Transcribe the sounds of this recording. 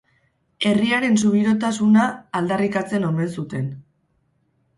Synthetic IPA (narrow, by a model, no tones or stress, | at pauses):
e̞riaɾe̞nsuβ̞iɾo̞t̪asunaːld̪arikat͡se̞no̞me̞ns̬ut̪e̞n